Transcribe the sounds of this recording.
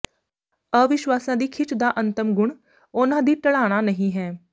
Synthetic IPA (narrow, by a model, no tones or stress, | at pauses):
əʋɪʃwaːsãːd̪iːkʰɪt͡ʃd̪aːʔənt̪əmɡʊɳ | oːnãːd̪iːʈəɭaːɽ̃aːnəɦĩːɦɛː